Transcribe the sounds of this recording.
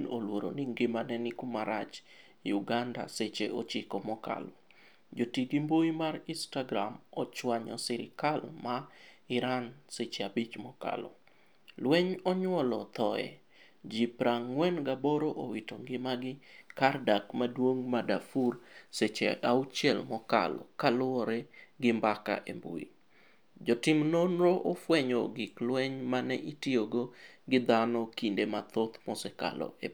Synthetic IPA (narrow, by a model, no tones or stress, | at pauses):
nolwoɾo̰nɪŋɡɪmanɛnɪkumaɾat͡ʃ | juɡanda̰set͡ʃeʔot͡ʃikɔmɔka̰lɔ | d͡ʒotiɡimboimarinstaɡɾamɔt͡ʃwaɲɔ̰sɪɾɪ̰kalmaɪɾanset͡ʃeabit͡ʃmɔka̰lɔ̰ | lwɛɲɔɲwɔlɔt̪ɔɛ̰ | d͡ʒipɾaŋwɛnɡaboɾoʔowitoŋɡɪmaɡɪkardakmadwoŋmadafurset͡ʃɛ̰awt͡ʃɛlmɔka̰lɔ̰kalʊɔɾɛɡɪmbaka̰ʔḛmbṵḭ | d͡ʒɔtɪmnonɾoʔofwɛɲoɡɪklwɛɲmanɛʔitioɡoɡɪd̪anɔkindemat̪ot̪mɔsɛka̰lɔ̰e